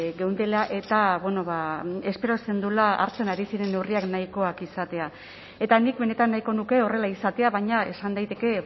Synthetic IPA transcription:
ɡe̞wnd̪elaʔe̞t̪aβwe̞no̞βae̞spe̞ɾo̞se̞nd̪ulaʔa̰ɾt͡se̞naɾisiɾe̞ne̞wriaknajko̞akisat̪e̞a | e̞t̪anik̚be̞ne̞t̪anːajko̞nuke̞o̞re̞laisat̪e̞aβaɲae̞sand̪ajt̪e̞ke̞

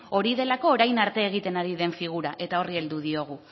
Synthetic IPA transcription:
o̞ɾiðe̞lako̞ːɾajnaɾt̪e̞ːɣ̞it̪e̞naɾiðe̞ɱfiɣ̞uɾaʔe̞t̪ao̞rie̞ld̪uð̞io̞ɣ̞u

